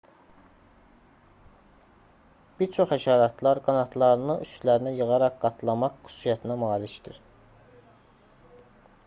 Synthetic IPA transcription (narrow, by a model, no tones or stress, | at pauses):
b̥iɾt͡ʃʰo̞χhæʃɑːɾɑt̪ʰlˠɑɾɡɑnɑt̪ʰlˠɑɾɯnɯyʃlæɾinæjɯʁɑɾɑqɡɑt̪ʰlˠɑmɑqːy̥su̥sijæt̪ʰinæmɑːliʃd̪iɾ̥